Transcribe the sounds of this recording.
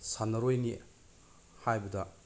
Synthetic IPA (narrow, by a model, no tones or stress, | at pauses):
sanːɐɾojni | hajbɐdɐ